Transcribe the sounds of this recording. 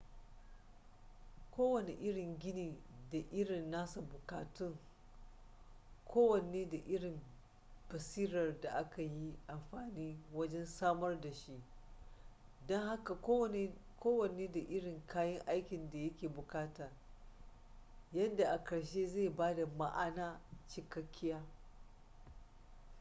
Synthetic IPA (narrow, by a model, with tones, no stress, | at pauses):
kʷoː˦wɐ˨ne˨ʔɪ˦ɽɪ˨ŋɡʲɪ˦niː˨da˨ʔɪ˦ɽɪ˨nːaː˦sa˨bʊ˨kaː˨tʊ˦˨ŋ | kʰʷoː˦wɐ˨neː˦da˨ʔɪ˦ɽɪ˨m | b̥ɐ˨siː˦ɾɐ˨rda˨ʔa˦ka˨ji˦ʔa˨mɸaː˨niː˦wɐ˦d͡ʒɛ˦nsaː˦mɐ˦rda˨ʃi˦ʔ | dɔ˦ŋha˦ka˨˦ | koː˦wɐ˨neː˦da˨ʔɪ˦ɽɪ˨ŋkʰaː˦jɐ˦ŋʔa˦jkʲɪ˨nda˨jɐ˦kʲeː˨bʊ˨kaː˦taː˨ | jɐ˦nda˨ʔa˨kɐ˨ɽʃeː˦ze˦˨jbaː˦da˨ma̰˦ʔa˦naː˦t͡ʃɪ˨kɐ˦kʲʰːɪ˦jaː˦